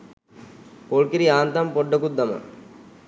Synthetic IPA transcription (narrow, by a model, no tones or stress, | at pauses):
koɭkiɾiaːnt̪ampɔɖːəkud̪ːɐma̰